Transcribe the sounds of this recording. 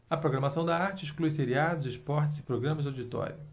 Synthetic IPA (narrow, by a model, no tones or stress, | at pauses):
ɐpɾoɡɾɐmasɐ̃w̃d̪ɐaɾt͡ʃɪiʃkluiseɾiad̪ʊzɪʃpɔɾt͡ʃɪzɪpɾoɡɾɐ̃mɐzawd͡ʒit̪ɔ̰ɾʲjʊ